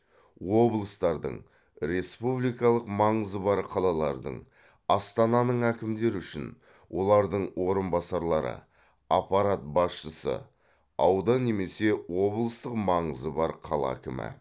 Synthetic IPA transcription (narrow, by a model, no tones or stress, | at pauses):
wo̞blˠəst̪ɑɾd̪ə̰ɴ | ɾe̞spublijkɑlˠəqmɑɴəzəbɑɾqʰɑlˠɑlˠɑɾd̪ə̰ɴ | ɑst̪ɑnɑnəɴækʲɪmd̪e̞ɾʏʃɪn | wʔo̞lˠɑɾd̪əɴwo̞ɾənbɑsɑɾlˠɑɾə̰ | ɑpɑɾat̪̚bɑsʃəsə̰ | ɑwd̪ɑne̞me̞se̞wo̞blˠəst̪əqmɑɴəzəbɑɾqʰɑlˠɑ̰kʲɪmɪ̰